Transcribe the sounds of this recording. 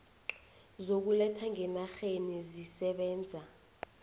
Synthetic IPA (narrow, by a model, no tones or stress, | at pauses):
zok̬ulɛtʰaŋɛnaxenizisɛɓɛːnd͡zʱa